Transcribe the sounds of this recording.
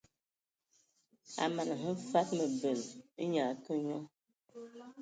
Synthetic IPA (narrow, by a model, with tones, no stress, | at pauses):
a̰˨ma˨nə˨ɦə˦fa˦t̚mə˨bə˨lɲa˨˦kə˦ɲɔ˦